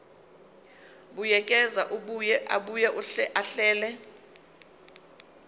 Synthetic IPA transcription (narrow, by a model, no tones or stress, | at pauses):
ɓujɛkʼɛzaʔuɓujɛʔaɓujɛʔuaɬɛːlɛ